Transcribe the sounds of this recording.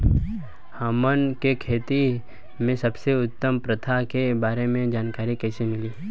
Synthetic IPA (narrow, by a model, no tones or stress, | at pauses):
hɐmənkekʰeːt̪i | mẽsɐbseʊt̪ːəmpɾət̪ʰakebaːɾemẽd͡ʒaːnkaːɾikɛːsemɪliː